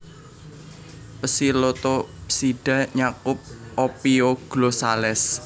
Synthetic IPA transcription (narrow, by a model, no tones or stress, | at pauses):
pəsilot̪ɔpsiɖ̥a̤ɲakʊp̚ʔopioɡ̥losalɛs